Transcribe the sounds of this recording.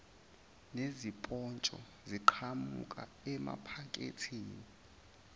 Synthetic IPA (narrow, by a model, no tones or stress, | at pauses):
nezipʼɔnt͡ʃʼɔ | ziǃʰamukʼa | ɛma̰pʰakʼḛtʰiːni